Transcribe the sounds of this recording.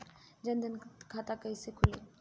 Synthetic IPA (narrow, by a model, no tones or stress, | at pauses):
d͡ʒɐ̃nd̪ʱənkʰaːt̪akəisekʰʊleː